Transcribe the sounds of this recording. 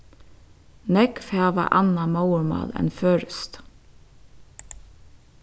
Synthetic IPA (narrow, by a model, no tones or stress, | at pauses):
nɛkfæːʋɑ̰ʔɑnɑmɑwəɹmɑ̰ːlɛ̰nføːɹəst̪